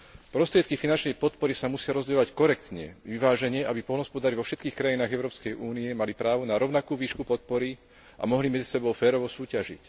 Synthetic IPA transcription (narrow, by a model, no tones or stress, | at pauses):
pɾɔst̪ɾɪɛt̪̚kifinant͡ʃnɛjpɔt̪̚pɔɾisamusɪaɾɔzɟɛɔʋackɔɾɛkt̪ɲɛ̰ʋiʋaːʒɛɲɛabipɔlnɦɔspɔd̪aɾiʋɔfʃɛt̪kiːxkɾajinaːɣɛʊɾɔːpskɛjuːniɛmalipɾaːʋɔnaɾɔʊnakuːʋiːʃkupɔt̪̚pɔɾi | ʔa̰mɔɦlimɛd͡zi̥sɛbɔʊfɛːɾɔʋɔsuːcaʒḭc